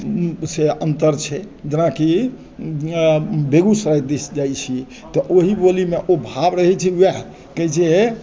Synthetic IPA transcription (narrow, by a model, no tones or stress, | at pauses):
seənt̪əɾt͡ʃʰɛ | d͡ʒenaki | beɡusɾajd̪isd͡ʒajt͡ʃʰi | t̪ɔʔoɦibolimeʔobʱabɾəɦɛt͡ʃʰiwɛɦ | kəjt͡ʃʰɛe